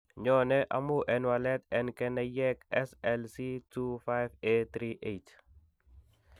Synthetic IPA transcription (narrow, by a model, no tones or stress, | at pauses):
ɲɔnɛʔa̰muʔɛnwalɛt̪ɛnkɛnɛjɛkɛsɛlsitufajvet̪ɾiʔet